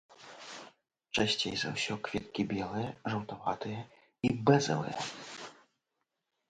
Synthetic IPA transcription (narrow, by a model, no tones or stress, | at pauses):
t͡ʂɛɕʲt͡ɕʲejza̰wɕʲɔkfʲɛt̪̚kʲibʲjɛlˠɛjɛʐɐwt̪avat̪ɨjɛ | ibɛzɛ̰lˠɛ̰jɛ̰